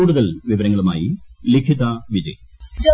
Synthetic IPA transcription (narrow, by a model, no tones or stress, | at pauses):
uːɽuðɐlʋiʋɐɾɐŋːɐɭuma̰ːjilikʰit̪aʋid͡ʑɐ̰j